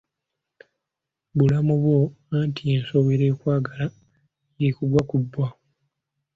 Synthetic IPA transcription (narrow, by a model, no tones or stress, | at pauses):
βulamuβwo | antieːnsoweɾekwaːɡala | jekuɡwakubːwa